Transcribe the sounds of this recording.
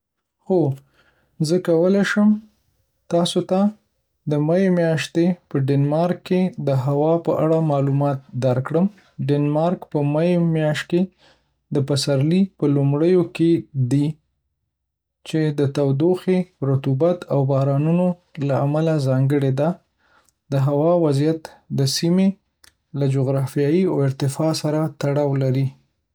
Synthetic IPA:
xo | zəkawəleʃəm | t̪ɑsot̪a | d̪əmajemjɑʃt̪epəɖɪnmɑɾkːed̪əɦawɑpəʔaɽamɑlumɑt̪̚d̪aɾkɽəm | ɖɪnmɑɾkpəmajemjɑʃt̪̚ke | d̪əpasaɾlipəlumɽəjoked̪i | t͡ʃed̪ət̪awd̪oxeɾʊt̪ubat̪ʰawbɑɾɑnuno | laamalazɑŋɡəɽed̪a | d̪̥əɦawɑwazijat̪d̪əsime | lad͡ʒʊɣɾɑfijɑjiawɪɾt̪ɪfɑsaɾat̪aɽɑwlaɾi

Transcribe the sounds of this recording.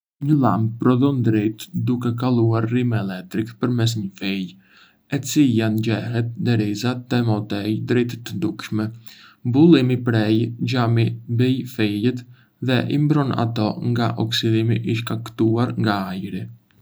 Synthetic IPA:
ɲəla̰mb̚pɾɔðɔnd̪ɾɛt̪d̪ukɛk̬alˠuaɾrimɛlɛk̚t̪ɾikpəɾmɛs̬ɲəfɛj | ɛt͡siljand͡ʑɛɦɛt̪̚d̪ɛɾizat̪ɛmɔt̪ɛjd̪ɾɛt̪t̪ːəd̪ukʃmɛbulˠimipɾɛjd͡ʒamibɛjfɛjɛt̪ | ðɛʔḭmbɾɔna̰t̪ɔŋɡaʔɔksid̪imiʔiʃkakt̪uaɾŋɡaajɾi

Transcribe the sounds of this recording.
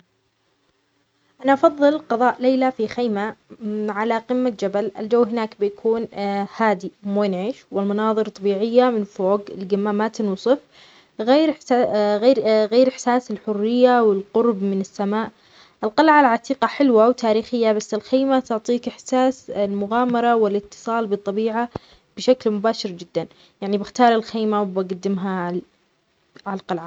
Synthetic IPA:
ʔanaʔɑfɑðˤːɨlqɑðˤɑːʔleːlafixajmaʕalaqɪmːad͡ʒabalɪ̰ld͡ʒawːɦɪnaːkbɪjakʰuːnhaːd̪imoːnʕiːʃwɪlmɑnɑːðˤɨɾt̪ˤːɑbiːʕɪjːamɪnfoːɡɪlɡamːamat̪ɪnwsˤɨf | ɣeːɾɣeːɾɣeːɾʔɪħsaːsɪlħʊrːɪjːawɪlqʊɾbmɪnɪsːamaːʔ | ʔɪlqɑlʕalʕat̪ʰˤiːqɑħɪlwawt̪ʰaːɾiːxɪjːabasːɪlxeːmat̪ʊʕt̪ˤiːkɪħsaːsɪlmʊɣaːmɑɾˤɑwɪlɪt̪ːɨ̥sˤɑːlbɨt̪ˤːɑbiːʕa | b̥ɪʃaklmʊbaːʃɪɾd͡ʒɪd̪ːan | jaʕnibɪxt̪ɑːɾˤɪlxeːmawbaɡad̪ːɪmɦa | ʕalqɑlʕa

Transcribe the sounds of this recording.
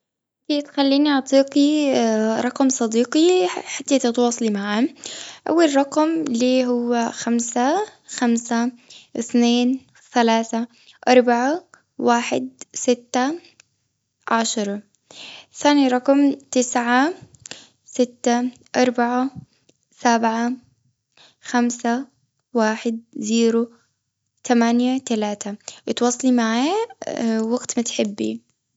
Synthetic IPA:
ʔ | ɪt̪it̪xalːiːniʔɑʕt̪ˤiːqi | ɾˤɑqmsˤɑd̪iːqiħat̪ːat̪ɪt̪wɑːsˤɑlimaʕamʔa̰wːalɾˤɑqmliːɦʊwːaxamsaxamsaʔɪθneːn | θalaːθa | ʔɑɾˤbaʕa | waːħɪ̰d̪sɪt̪ːa | ʕaʃɑɾˤɑ | θaːniɾˤɑqmt̪ɪsʕa | sɪt̪ːaʔɑɾˤbaʕa | sabʕa | xamsa | waːħɪd̪̚ziːɾu | t̪ʰamanjat̪alaːt̪ʰaʔɪt̪wɑːsˤːɑlimaʕaːjːa | waɡt̪mʊt̪ħɪbːḭ

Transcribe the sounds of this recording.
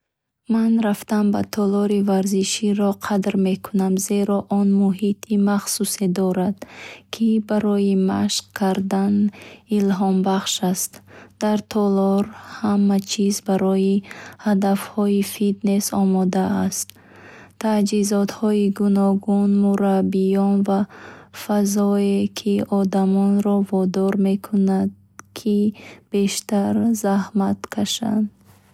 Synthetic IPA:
manɾaft̪anba̰t̪ʰɔlɔɾivaɾziʃiɾɔqʰad̪ɾme̞kʰunamze̞ɾɔʔɔnmuɦit̪ʰimaχsused̪ɔɾad̪kʰibaɾɔjima̰ʃqkʰaɾd̪anilɦɔmbaχʃast̪d̪̥aɾt̪ʰɔlɔɾhamːat͡ʃʰizbaɾɔjihad̪afhɔifit̪nesɔ̰mɔd̪aːst̪ | t̪ʰad͡ʒizɔt̪hɔiɡunɔɡunmuɾabːijɔnvafazɔekʰiɔd̪amɔnɾɔvɔd̪ɔɾme̞kʰunad̪ | kʰib̥e̞ʃt̪aɾzahmat̪kʰaʃa̰nd̪

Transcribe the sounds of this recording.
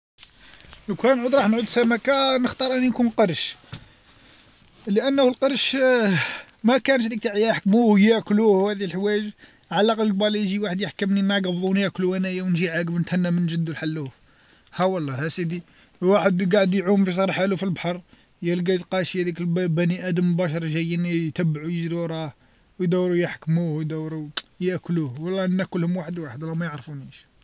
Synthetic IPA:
əkænʕud̪ɾˤɑħnʕud̪sæmækænəxt̪ɑɾˤʔənːinkunqɑɾʃ | ləʔənːhlqəɾˤʃ | mækænʃd̪ik̚t̪aʕjæħkmuhjækluhhæd̪iəlħwæʒ | ʕalːɑqɑlɡbɑlijʒiwaħəd̪jəħkəmninaɡəbðˤunjækluænæjawnʒiʕaɡəbnət̪hænːæmənʒəd̪ːulħalːuf | hæwɑlˤːɑhæsid̪i | waħəd̪ɡaʕəd̪jʕumfis̬ɑɾˤħalufilbħɑɾˤ | jælɡæjt̪qɑʃhæd̪iklbæniʔæd̪əmbæʃɑɾˤʒæjːənjt̪æbːʕujəʒɾiɾˤɑh | wjd̪æwɾujəħkmuhjd̪æwɾujəʔkluhwɑlˤːɑʔənːækʊlhʊmwaħəd̪waħəd̪lːæmæjəʕɾˤfuniʃ

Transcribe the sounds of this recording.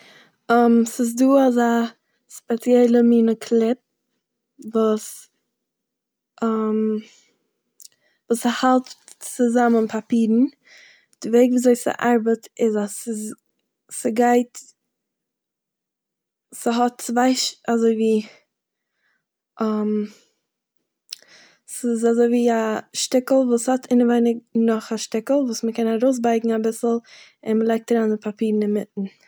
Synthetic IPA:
əmsɪs̬duːaza | spɛt͡sjɛlˠəmiːnəkʰlˠɪp̚ | vuːs | əm | vuːsəhalˠtt͡sɪzamənpʰapiːɾn̩ | d̥ɪveɪɡviːzoɪsɪ̰ʔaɾbətʰɪzasɪs | səɡaɪt | sɪɦɔtt͡svaɪʃazoɪviː | ʔam | sɪzazoɪviːaʃtɪkl̩ˠvuːshɔtʰɪnəvaɪnɪɡnɔχaʃtɪkl̩ˠvuːsməkɛnaɾoʊs̬baɪɡŋ̩abɪsl̩ˠ | ɪnməlˠaɪk̚təɾanɪpʰapiːɾn̩ɪnmɪtn̩

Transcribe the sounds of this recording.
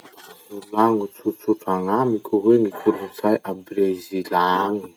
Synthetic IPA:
nulaŋut͡suɾt͡suʈ͡ʂaŋamikʲuɦwenikʰuɾunt͡sajʔabrezilaŋi̥

